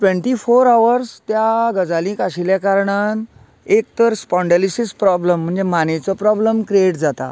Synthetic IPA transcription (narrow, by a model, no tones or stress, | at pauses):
ʈʋẽɳʈifoɾaʋəɾst̪jaɡəd͡zalĩːkaɕiljakaɾɳan | ek̚t̪əɾspɔɳɖelisispɾɔbləm̤ːəɳd͡zemanet͡sɔpɾɔbləmkɾieʈd͡zat̪a̰